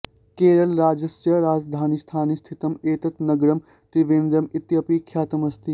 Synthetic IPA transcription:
keːɾɐlɾaːd͡ʒɐsjɐɾaːd͡ʒd̪ʱaːnist̪ʰaːnist̪ʰit̪ɐmeːt̪ɐt̪nɐɡɾɐm | ʈ̪ɾiʋẽːnd̪ɾɐmɪt̪jɐpikʰjaːt̪ɐmɐst̪ʰi

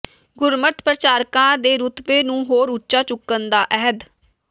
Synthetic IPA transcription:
ɡʊɾmət̪pɾət͡ʃaːɾkãːd̪eːɾʊt̪peːnũːɦoːɾʊtːʃaːt͡ʃʊkːənd̪aːʔɛɦəd̪

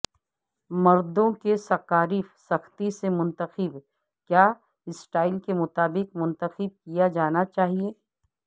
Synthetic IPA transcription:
mɐɾd̪õkesɐkaːɾifsɐxt̪isemʊ̃nt̪əqɪb | kjaː | ɪsʈaːɪlkemʊt̪aːbɪqmʊ̃nt̪əxɪb̚kijad͡ʒaːnat͡ʃaːɦieː

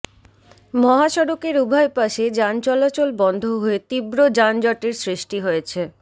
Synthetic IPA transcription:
mɔɦaʃɔɾokeɾubʱaepaʃed͡ʑant͡ɕɔlat͡ɕolbɔnd̪ʱoɦoet̪ibɾod͡ʑand͡ʑɔʈeɾsɾiʃʈiɦojet͡ɕʰe

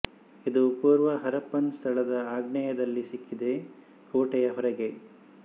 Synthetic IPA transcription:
id̪upuːɾʋɐɦɐɾɐpːɐnst̪ʰɐɭɐd̪ɐaːɡɳɐjɐd̪ɐlːisikːid̪e̞ | koːʈɛjɐɦɔɾɐɡe̞

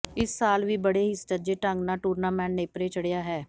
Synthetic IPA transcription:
ɪsːaːlʋiːbəɽeːɦisʈəd͡ʒeːʈə̃ŋɡnaːʈuːɾnaːmɛ̃ːɳʈneːpɾeːt͡ʃəɽejaːɦɛː

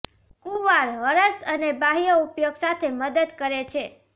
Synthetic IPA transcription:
kuʋaɾɦəɾəsənebaɦijoupjoɡsat̪ʰeməd̪əd̪kəɾet͡ʃʰe

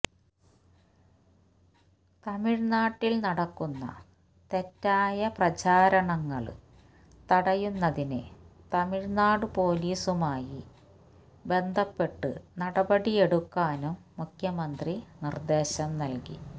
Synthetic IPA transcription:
t̪ɐmiɻnaːʈːilnɐɽɐkːunːɐ̰ | t̪e̞tːaːjɐprɐt͡ɕaːɾɐɳɐŋːɐɭ | t̪ɐɽɐjunːɐðinɨt̪ɐmiɻnaːɽɨpo̞ːliːsumaːji | be̞nd̪ʱɐpːe̞ʈːɨ̰nɐɽɐbɐɽije̞ɽukːaːnumːukʰjɐmɐnd̪rinird̪e̞ːɕɐmnɐlkḭ

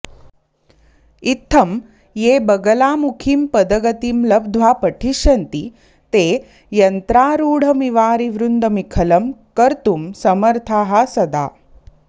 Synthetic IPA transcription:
it̪ʰːɐm | jeːbɐɡɐlaːmukʰimpɐd̪ɐɡɐt̪iːmlɐbd̪ʱʋaːpɐʈʰiʃɐnt̪i | t̪eː | jɐnt̪ɾaːɾuːɽ̤ɐmiʋaːɾiʋɾund̪ɐmikʰɐlɐmkɐɾt̪umsɐmɐɾt̪ʰaːɦasɐd̪a̰ː

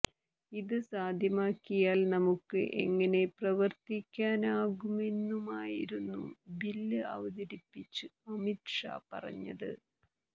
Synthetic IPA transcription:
iðɨsaːd̪ʱjɐmaːkːijaːlnɐmukːɨ̰ʔḛŋːɐne̞prɐʋɐrt̪ikʲːaːnaːɣume̞nːumaːjiɾunːṵbilːɨɐ̰ʋɐðɐɾipːit͡ɕːɨɐmiʈʂa̰ːpɐ̰rɐ̰ɲːɐ̰ðɨ̰

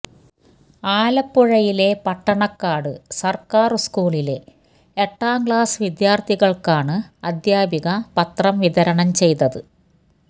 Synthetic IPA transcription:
aːlɐpːuɻɐjile̞pɐʈːɐɳɐkːaːɽɨsɐrkaːrɨskuːɭile̞ | eʈːaːŋɡɭaːsʋid̪jaːrt̪ʰiɣɐɭkaːɳɨɐd̪jaːbʱiɣɐpɐt̪rɐmʋiðɐɾɐɳɐmt͡ɕe̞jt̪ɐðɨ

